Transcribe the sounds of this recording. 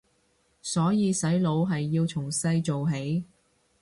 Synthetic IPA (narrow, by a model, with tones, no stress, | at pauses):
sɔː˨˥jiː˨˧sɐ˨˥jlo˨˧˥wɦɐ˨jːiː˧wt͡sʰʊ˨˩ŋsɐ˧jt͡so˨wɦe˨˥j